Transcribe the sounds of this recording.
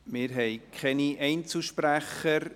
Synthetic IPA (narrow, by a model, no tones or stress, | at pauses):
mɪːɾɦɛɪkʰχɛniʔɛɪnt͡slʃpɾæχəɾ